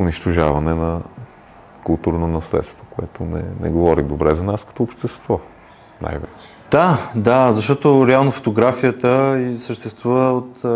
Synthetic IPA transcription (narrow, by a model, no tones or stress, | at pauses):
ʊniʃt̪oʒavɐnɛnɐ | kʊlˠt̪uɾnonɐslɛ̰t̪st̪vokoɛt̪onɛ̰nɛ̰ɡovɔɾid̪obɾɛzɐnaskɐ̥t̪ɔopʃt̪ɛst̪vɔ | na̰jvɛ̰t͡ʃɛ̥d̪̥ad̪azɐʃt̪ɔt̪oɾɛalˠnofo̥t̪oɡɾafijət̪əisəʃt̪ɛst̪vuvəot̪